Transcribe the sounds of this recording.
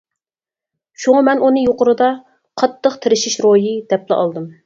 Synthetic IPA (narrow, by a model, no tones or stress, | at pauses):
ʃuŋɑmɛnunɨjoqʊɾɨd̪ɑ | qʰɑt̪ːəqt̪ʰɪɾɪʃiʃɾojid̪̥ɛplɪʔɑ̰lˠd̪ɨm